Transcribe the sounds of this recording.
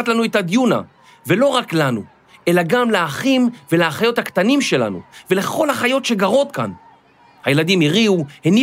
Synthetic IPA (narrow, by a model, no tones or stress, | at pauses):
atlanuetad̪juna̰ | ve̞lo̞ʁaklanṵ | e̞laɡamleaχimveleaχajo̞thakt̪animʃe̞la̰nṵve̞le̞χo̞lhaχajo̞tʃe̞ɡaʁo̞t̪ka̰n | haje̞ladimiʁiuheni